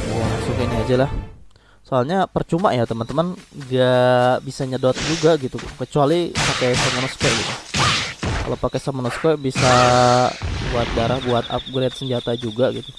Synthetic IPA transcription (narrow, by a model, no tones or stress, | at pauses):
jamasuŋkiniad͡ʒalah | soalɲapərt͡ʃumajat̪əmənt̪əmanɡabisaɲədot̪̚d͡ʒuɡaɡit̪ukət͡ʃualipakesəmənɔskɔʔɡit̪u | ka̰lapakesəmənɔskɔbisa | buat̪̚baɾahbuat̪a̰p̚ɡɾɛt̪səɲd͡ʒat̪ad͡ʒuɡaɡit̪u